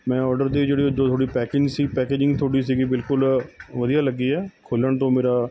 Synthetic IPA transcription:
mɛ̃ːɔːɾɖəɾd̪eːd͡ʒeːɽiːoːt̪ʰoːɽiːpɛːkɪ̃ŋɡsiːpɛːkeːd͡ʒɪ̃ŋɡt̪ʰoːɽiːs̬iːɡiːbɪlkʊlʋəd̪ijaːləɡiːɛːkʰoːləɳt̪õːmeːɾaː

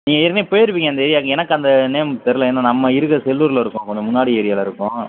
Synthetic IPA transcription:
niːŋɡɐɪɾneːpɔjɐɾɯʋiːŋɡɐnd̪ɐeːɾɪjaːkːɛnɐkːɯɐnd̪ɐneːmt̪ɛɾɯlɐeːnːaːnɐmːɐɪɾɯɣɐsɛlːuɾlɪɾɯkːʊ̃kɔɲd͡ʒɐmʊnːaːɽieːɾɪjaːlɐɪɾɯkːʊ̃

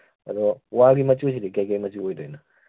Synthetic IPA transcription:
ɐd̪ɔwaɡimɐt͡ʃusidikajkajmɐt͡ʃuojdɔjnɐ

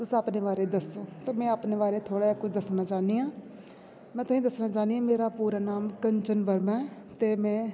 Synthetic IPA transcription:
t̪ʊsaːpneːʋaːɾeːd̪əsoːt̪eːmɛ̃ːaːpneːʋaːɾeːt̪ʰoːɽaːakʊt͡ʃʰd̪əsnaːt͡ʃaːniːãː | mɛ̃ːt̪ʰʊĩːd̪əsnãːt͡ʃaːniːãːmeːɾaːpuːɾaːnaːmkəɲt͡ʃənʋəɾmɛ̃ː | t̪eːmɛ̃ː

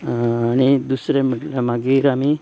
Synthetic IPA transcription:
añid̪usɾem̤əʈlamaɡiɾami

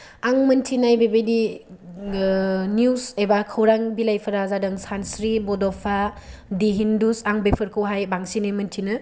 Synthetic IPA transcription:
aŋmɐntʰinajbebejdi | njuwsebakʰɐwɾaŋbilajpʰɯɾazadɯŋsansɾibɔdɔpʰadiɦindusaŋbepʰɯɾkʰɯwɦajbaŋsinamɯntʰinɯ

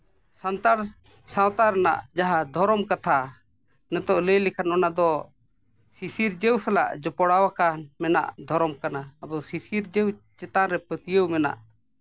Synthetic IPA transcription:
sant̪aɾ | sawt̪aɾɛna̰ʔd͡ʒaɦad̪ʱɔɾɔmkat̪ʰa | nɛt̪ɔʔləlɛkʰanɔnad̪ɔ | sisiɾd͡ʒəwsala̰ʔd͡ʒɔpɔɽawakanmɛna̰ʔd̪ʱɔɾɔmkanaab̪ɔsisiɾd͡ʒɛwt͡ʃɛt̪aɾɛpət̪ijəwmɛna̰ʔ

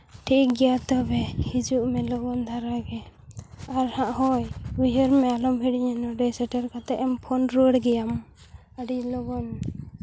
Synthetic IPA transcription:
ʈʰikɡɛjat̪ɔbɛhid͡ʒuʔmɛlɔɡɔnd̪ʱaɾaɡɛ | aɾhãʔhɔjuɦəɾmɛalɔmbiɽiɲɛnɔɖɛsɛʈɛɾkat̪ɛʔɛmpʰɔnɾoɽɡɛjam | əɖilɔɡɔn

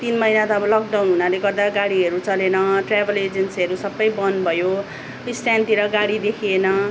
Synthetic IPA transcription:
t̪inmʌijnat̪ʌːbʌlʌk̚dawnɦunaleɡʌrd̪aɡaɽiɦʌɾut͡sʌlenʌʈrabʱʌled͡zensiɦʌɾusʌbːʌjbʌnbʱʌjo | ist̪jant̪iɾʌɡaɽid̪ekʰienʌ

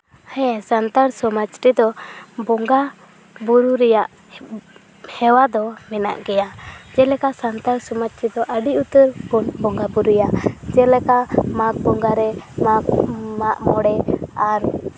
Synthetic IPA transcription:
hɛ̃sant̪aɾsɔmat͡ʃʈid̪ɔbɔŋɡa | buɾuɾɛjaʔ | hɛwad̪ɔmɛna̰ʔɡɛjad͡ʒɛlɛkasant̪aɾsɔmat͡ʃʈid̪ɔʔəɖiut̪əɾkunbɔŋɡabuɾujaʔd͡ʒɛlɛkamak̚bɔŋɡaɾɛmakmaʔmɔɽɛaɾ

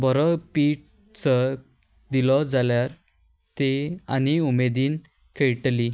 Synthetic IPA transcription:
bɔɾɔpiːʈ̚ | t͡sə | d̪ilɔd͡zaljaɾ | t̪eañiumed̪iːn | kʰeɭʈli

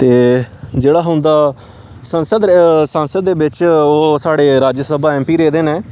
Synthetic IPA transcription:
t̪eːd͡ʒeːɽaːɦʊnd̪aː | sənsəd̪sə̃nsəd̪̚ːeːbɪt͡ʃoːsaːɽeːɾaːd͡ʒəsəbaːɛ̃ːmpiːɾeːd̪eːneː

